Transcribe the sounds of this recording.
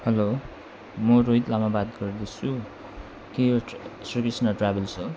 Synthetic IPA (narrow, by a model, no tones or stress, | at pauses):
hʌlo | mʌɾojt̪lamabat̪ɡʌrd̪et͡sʰu | kejsrikrisnʌʈrabelt͡sʰu